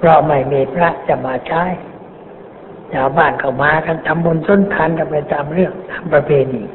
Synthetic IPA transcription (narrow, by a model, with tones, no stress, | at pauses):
pʰɾɔ˧ma˧˩jmeː˨˧˩pʰɾa˦˥ʔt͡ɕa˧˩maː˧t͡ɕʰaː˦˥˨j | t͡ɕaː˨˩wbaː˧˩nkʰa˧˩wmaː˨˧˦ka˧˩nt̪ʰa˧mbo˧nso˧˥˩nt̪ʰaː˧˥nka˧˩mpa˧jt̪aː˧mɾɯ˥˩əŋt̪aː˧˦mpɾa˧pʰeː˧niː˧˩